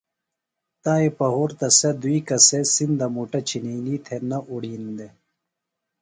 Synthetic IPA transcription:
t̪aːepɐɦuːɾt̪ɐsɐd̪uikɐsesind̪ɐmuʈɐt͡ɕʰiniliːt̪ʰenɐʔuɽiːnd̪e

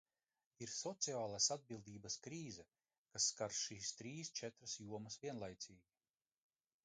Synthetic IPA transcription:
iɾsɔt̪siaːlˠasad̪̚bilˠd̪iːbɐskɾiːzɛ | kasːkaɾʃiːst̪ɾiːst͡ʃɛt̪ɾasjuɔmɐsviɛnlˠajt̪siːɡʲi

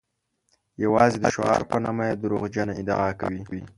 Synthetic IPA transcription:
jawɑzed̪əʃoɑ̰ɾpənɑmajed̪əɾoɣd͡ʒanaɪd̪ɑ̰ɑkawiwi

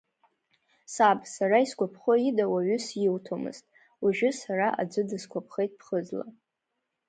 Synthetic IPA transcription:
sabsaɾaiskʷapʰχoidawaɥʏsjɪwtʰomɨ̰ztʼ | uʒᶣʊsaɾaʔa̰d͡zʷɨdɨskʷapʰχejtʼpʰχəd͡zla̰

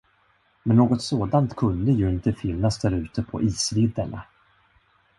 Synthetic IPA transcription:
mɛnːoːɡɔt̪soːd̪ant̪kʰɵnd̪əjɵɪnt̪əfɪnːasd̪æɾʉ̟ːt̪əpʰɔ̰ʔiːsvɪd̪ːəɳa̰

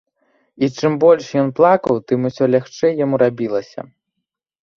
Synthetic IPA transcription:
it͡ʂɨmbɔlʲʂjɔnplˠakɐwt̪ɨmusʲɔlʲaxt͡ʂɛjːamuɾabʲilˠɐsʲɐ̰

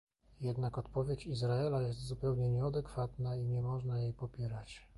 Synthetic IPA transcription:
jɛd̪nakɔt̪pɔvʲjet͡ɕizɾaɛlajɛs̬t̪zupɛwɲɛɲɛad̪ɛkfat̪naiɲɛmɔʐnajejpɔpʲjɛɾat͡ɕ

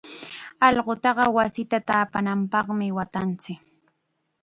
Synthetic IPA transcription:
ɑʎɢot̪ɑɢɑwasɪt̪at̪aːpanampɑχmɪwat̪ant͡sɪk

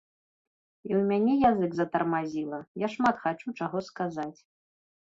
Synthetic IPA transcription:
iwmʲanʲɛjazɨɡzɐt̪ɐrmazʲilˠɐjaʂmat̪xat͡ʂut͡ʂaɣɔskazat͡sʲ

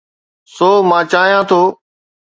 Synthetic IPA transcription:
soːmãːt͡ʃaːɦijãːt̪ʰoː

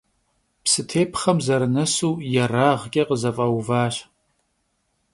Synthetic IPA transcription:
psɨtʰeːpʰχɐmzɐɾɨnɐsuːjɛraːʁkʲʼɐqəzɐfʼɐwvaːɕ

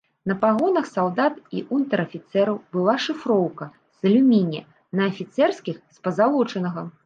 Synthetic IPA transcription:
nɐpaɣɔnɐxsalˠd̪at̪ḭʔunt̪ɐɾɐfʲit̪sɛɾɐwbɨlˠaʂɨfɾɔwkɐ | zɐlʲumʲinʲɛ | nɐːfʲit̪sɛrskʲixspɐzalˠɔt͡ʂɐnɐɣɐ

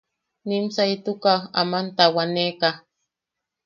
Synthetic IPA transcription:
nimsait̪ukaa̰mant̪awaneka

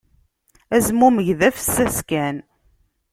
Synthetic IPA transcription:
æzmuməʝðæfsːæskæn

